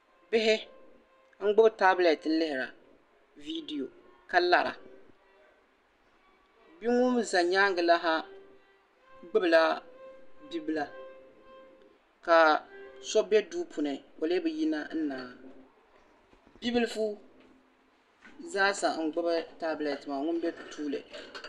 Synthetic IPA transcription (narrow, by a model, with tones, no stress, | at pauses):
bɪ˦ɦɪ˦ | ŋ̩˦ɡ͡bʊ˦bta˦blɛ˨tn̩˦lɪ˦hɪ˨ɾa̰˨ | vi˦di˨jo˨ | ka˦la˨ɾa̰˨ | bi˦ŋʊ˦m˦za˨ɲaː˦ŋɡɨ˨la˦ɦa˦ | ɡ͡bʊ˦bla˦ | bi˦bɨ˦la˦ | ka˨sɔ˦bɛ˦duː˦pʰu˨nɨ˨ko˨le˦bɨ˨ji˦na˦n̩˦naː˨ | bi˦bɪ˦lfu˦ | zaː˦sa˨ŋ̩˨ɡ͡bʊ˦bɨ˦ta˦blɛ˨tma˨ŋʊ˦n˦bɛ˦tʰuː˦lɨ̰˨